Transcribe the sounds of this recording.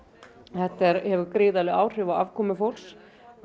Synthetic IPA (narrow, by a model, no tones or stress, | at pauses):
θɛht̪ɛɾhɛvʏɾkɾɪːðalɪaːwr̥ɪːvawavkʰɔːmʏfowls